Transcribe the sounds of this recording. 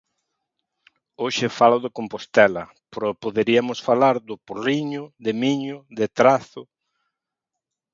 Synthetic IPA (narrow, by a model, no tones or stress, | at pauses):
oʃɪfaloʊðɪkompost̪ɛlɐ | pɾopoðeɾiɐmʊsfalaɾd̪ʊporiɲʊðɪmiɲʊðɪt̪ɾaθʊ